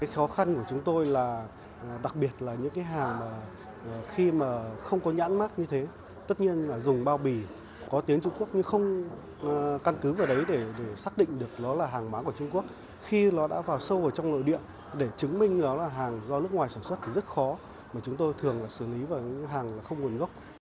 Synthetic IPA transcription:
kaː˨˦jxɔ˨˦xa˧nku˧˩ət͡ɕʊ˨˦ŋ͡mt̪o˧jlaː˨˩˨ | ɗa˨˩k̚ɓi˨˩ət̚laː˨˩ɲɨ̰˧˥ŋkaː˨˦jɦaː˨˩ŋmaː˨˩˨ | xi˧maː˨˩xə˧wŋ͡mkɔ˨˦ɲa̰ː˧˥nmaː˦˥k̚ɲɨ˧t̪ʰe˨˦ | t̪ə˦˥t̚ɲi˧ənlaː˨˩zʊ˨˩ŋ͡mɓaː˧wɓi˨˩ | kɔ˨˦t̪i˨˦ənt͡ɕʊ˧ŋ͡mku˦˥ək̚ɲɨ˧xə˧wŋ͡m | ka˧nkɨ˨˦vaː˨˩ɗə˨˦jɗe˧˩ɗe˧˩saː˦˥k̚ɗḭ̈˧˨ŋ̟ɗɨ˨˩ək̚lɔ˨˦laː˨˩ɦaː˨˩ŋmaː˨˦ku˧˩ə˩t͡ɕʊ˧ŋ͡mku˦˥ək̚ | xi˧lɔ˨˦ɗa̰ː˧˥vaː˨˩wsə˧wʔəː˧˩t͡ɕɔ˧wŋ͡mno̰˧˨jɗḭ˧˨ən | ɗe˧˩t͡ɕɨ˨˦ŋmï˧ŋ̟lɔ˨˦laː˨˩ɦaː˨˩ŋzɔ˧nɨ˦˥ək̚ŋwaː˨˩jsaː˧˩nswə˦˥t̚t̪ʰi˨˩zə˦˥t̚xɔ˨˦ | maː˨˩t͡ɕʊ˨˦ŋ͡mt̪o˧jt̪ʰɨ˨˩əŋlaː˨˩sɨ˧˩li˨˦vaː˨˩wɲ˧˥ɦaː˨˩ŋlaː˨˩xə˧wŋ͡mŋu˨˩ənɣə˦˥wk͡p̚

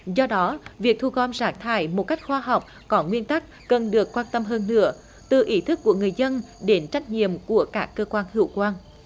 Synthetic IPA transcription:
zɔ˧ɗɔ˨˦vi˨˩ək̚t̪ʰu˧ɣɔ˧˩mzaː˨˦˥ŋ̚t̪ʰa̰ː˧˩jmo˨˩t̚ka˦˥jk̚xwaː˧ɦa˨˩wk͡p̚ | kɔ˨˦ŋwi˧ənt̪a˦˥k̚ːə˨˩nɗɨ˨˩əkːwaː˧nt̪ə˧mɦəː˧nːɨ̰˧˥ə | t̪ɨ˨˩ʔi˨˦t̪ʰɨ˦˥kːu˧˩əŋɨ˨˩əjzə˧n | ɗe˨˦nt͡ɕa˦˥jk̟̚ɲḭ˧˨əmku˧˩əkaː˦˥kːəː˧kwaː˧nhḭ˧˩˨əwkwaː˧n

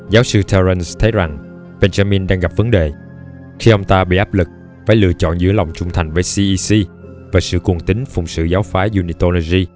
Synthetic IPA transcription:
zaː˨˦wsɨ˧t̪ʰɛ˧zə˧nst̪ʰə˨˦jza˨˩ŋ | ɓe˧nza˧mi˧nɗaː˧ŋɣa˨˩p̚və˨˦nɗe˨˩ | xi˧ʔə˧wŋ͡mt̪aː˧ɓḭ˧˨ʔaː˦˥p̚lɨ˨˩k̚ | fa̰ː˧˦jlɨ̰˧ət͡ɕɔ̰˧˨nzɨ̰˧˥əla˨˩wŋ͡mt͡ɕʊ˧ŋ͡mt̪ʰa˨˩jŋ̟vəː˨˦jsi˧ʔi˧si˧ | vaː˨˩sɨ̰˧˨ku˨˩ənt̪ï˨˦ŋ̟fʊ˨˩ŋ͡msɨ̰˧˨zaː˨˦wfaː˨˦zu˧ni˧t̪o˧lo˧zi˧

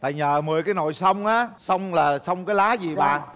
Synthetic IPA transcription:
t̪a̰ː˧˨jɲəː˨˩mɨ˨˩əjkaː˨˦jno̰˧˨jsə˧wŋ͡mʔaː˨˦sə˧wŋ͡mlaː˨˩sə˧wŋ͡mkaː˨˦jlaː˨˦zi˨˩ɓa̰ː˧˨

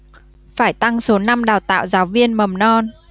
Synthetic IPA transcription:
faː˧˩jt̪a˧ŋso˨˦na˧mɗaː˨˩wt̪a̰ː˧˨wzaː˨˦wvi˧ənmə˨˩mnɔ˧n

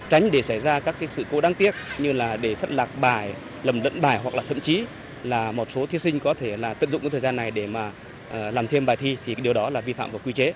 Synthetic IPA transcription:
t͡ɕa˨˦ŋ̟ɗe˧˩sa˧˩jzaː˧kaː˦˥kːaː˨˦jsɨ̰˧˨ko˨˦ɗaː˧ŋt̪i˦˥ət̚ɲɨ˧laː˨˩ɗe˧˩t̪ʰə˦˥t̚laː˨˩k̚ɓaː˧˩j | lə˨˩mlə̰˧˥nɓaː˨˩jɦwa˨˩k̚laː˨˩t̪ʰə̰˧˨mt͡ɕi˨˦ | laː˨˩mo˨˩t̚so˨˦t̪ʰi˨˦əsï˧ŋ̟kɔ˨˦t̪ʰe˧˩laː˨˩t̪ɨ̰˧˨nzʊ̰˧˨ŋ͡mkːt̪ʰːzaː˧nːa˨˩jɗe˧˩maː˨˩ | ʔːlaː˨˩mt̪ʰi˧əmɓaː˨˩jt̪ʰi˧t̪ʰi˨˩ɗi˨˩əwɗɔ˨˦laː˨˩vi˧fa̰ː˧˨mvaː˨˩kwi˧t͡ɕe˨˦

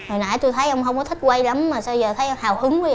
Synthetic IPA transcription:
nɔ˨˩jna̰ː˧˥˩jt̪u˧jt̪ʰə˨˦jʔə˧wŋ͡mɦə˧wŋ͡mkɔ˨˦t̪ʰi˦˥k̚kwə˧jla˨˦mːaː˨˩sa˧zəː˨˩t̪ʰə˨˦jʔə˧wŋ͡mhaː˨˩whɨ˨˦ŋwa˧˨

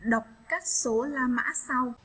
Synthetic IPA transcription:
ɗə˨˩wk͡p̚kaː˦˥k̚so˨˦laː˧˩ma̰ː˧˥sa˧w

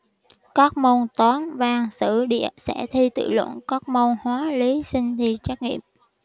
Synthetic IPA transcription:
kɔ˦˥k̚mo˧nt̪ɔ˨˦nvaː˧˩ŋsɨ̰˧˩ɗḭ˧˨əsɛ̰˧˥t̪ʰi˧t̪ɨ̰˧˨lwə̰˧˩˨nkɔ˦˥k̚mo˧nhwaː˨˦li˨˦sï˧ŋ̟t̪ʰi˧t͡ɕa˦˥k̚ŋḭ˧˨əm

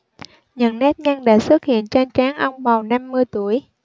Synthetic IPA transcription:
ɲə˨˩nnːɛ˦˥t̚ɲa˧ŋɗa̰ː˧˥swə˦˥t̚hḭ˧˨ənt͡ɕa˧nt͡ɕaː˨˦ŋʔə˧wŋ͡mma˨˩wna˧mːɨ˧əjt̪u˧˩˨əj

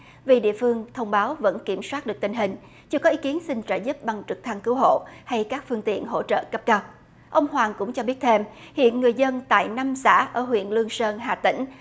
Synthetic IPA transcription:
vi˨˩ɗḭ˧˨əfɨ˧əŋt̪ʰə˧wŋ͡mɓaː˨˦wvə̰˧˥nki˧˩əmswaː˦˥t̚ɗɨ˨˩ək̚t̪i˧ŋ̟ɦï˨˩ŋ̟ | t͡ɕɨ˧əkɔ˨˦i˨˦ki˨˦ənsï˧ŋ̟t͡ɕəː˧˩zu˦˥p̚ɓa˨˩ŋt͡ɕɨ˨˩k̚t̪ʰa˧ŋkɨ˨˦əwɦo̰˧˨ha˧jkaː˦˥k̚fɨ˧əŋt̪ḭ˧˨ənɦo̰˧˥t͡ɕə̰ː˧˨kə˦˥p̚kaː˦˥p̚ | ʔə˧wŋ͡mhwaː˨˩ŋkʊ̰˧˥ŋ͡mt͡ɕɔ˧ɓi˦˥ət̚t̪ʰe˧mhḭ˧˨ənŋɨ˨˩əjzə˧nt̪a̰ː˧˨jna˧msa̰ː˧˥ʔəː˧˩ɦwḭ˧˨ənlɨ˧əŋsəː˧nɦa̰ː˨˩t̪ḭ̈˧˩ŋ̟

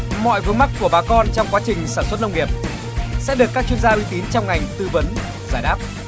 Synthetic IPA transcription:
mɔ̰˧˨jvɨ˨˦ŋma˦˥k̚kːu˧˩əɓaː˨˦kɔ˧nt͡ɕɔ˧wŋ͡mkwaː˨˦t͡ɕï˨˩ŋ̟saː˧˩nswə˦˥t̚nə˧wŋ͡mŋi˨˩əp̚ | sɛ̰˧˥ɗɨ˨˩kːaː˦˥k̚t͡ɕwi˧ənzaː˧ʔwi˨˦t̪i˨˦nt͡ɕɔ˧wŋ͡mŋa˨˩jŋ̟t̪ɨ˧və˨˦n | zaː˧˩jɗaː˦˥p̚

